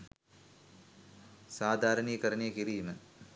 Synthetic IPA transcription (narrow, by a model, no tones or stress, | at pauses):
saːd̪ʱaːɾɐnijkɐɾɐnejkiɾijumɨ